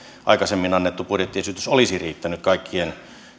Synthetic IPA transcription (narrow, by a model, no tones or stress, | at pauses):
ʔɑ̰ikɑsemːinɑnːet̪ːupudjet̪ːiesyt̪ysolisiriːt̪ːænyt̪kɑikːien